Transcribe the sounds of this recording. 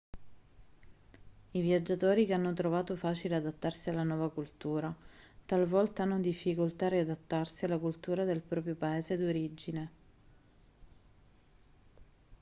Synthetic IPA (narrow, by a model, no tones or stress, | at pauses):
ivjad͡ʒːat̪oːɾikeanːot̪ɾovaːt̪ofaːt͡ʃilead̪at̪ːarsialːanwɔːvakult̪uːɾat̪alvɔlt̪aanːod̪ifːikolt̪ariad̪at̪ːarsialːakult̪uːɾad̪elpɾɔːpɾjopaeːzed̪oɾid͡ʒine